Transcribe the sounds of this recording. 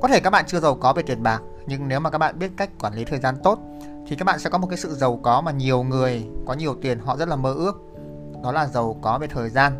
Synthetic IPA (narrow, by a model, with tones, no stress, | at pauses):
kɔ˨˦t̪e˧˩kaː˦˥k̚ɓa̰ː˧˨t͡ɕɨ˧əzə˨˩wkɔ˨˦ve˨˩t̪i˨˩ənɓaː˨˩k̚ | ɲɨ˧ŋne˨˦wmaː˨˩kaː˦˥k̚ɓa̰ː˧˨ɓi˦˥ət̚ka˦˥jk̟̚kːwaː˧˩nli˨˦t̪ʰəː˨˩jzaː˧nt̪o˦˥t̚ | t̪ʰi˨˩a˦˥k̚ɓa̰ː˧˨sɛ̰˧˥kɔ˨˦o˨˩t̚kaː˨˦sɨ̰˧˨zə˨˩wkɔ˨˦maː˨˩ɲi˨˩əwŋɨ˨˩əjkɔ˨˦ɲi˨˩əwt̪i˨˩ənɦɔ̰˧˨zə˦˥t̚laː˨˩məː˧ʔɨ˦˥ək̚ | ɗɔ˨˦laː˨˩zə˨˩wkɔ˨˦ve˨˩t̪ʰəː˨˩jzaː˧n